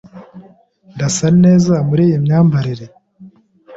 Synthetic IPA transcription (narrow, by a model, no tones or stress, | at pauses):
ndasane̞ːzamuɾiːjimɲaːmbaɾiɾe